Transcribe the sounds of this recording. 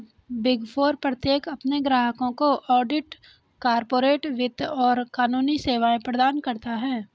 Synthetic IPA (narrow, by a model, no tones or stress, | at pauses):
bɪɡfʰoːɾpɾət̪jeːkɐpneɡɾaːɦəkõkoʔɔːɖɪʈ | kaːɾpoːɾeːʈʋɪd̪ɔːɾkaːnuːniseːʋaːẽpɾəd̪aːnkɐɾt̪aɦɛː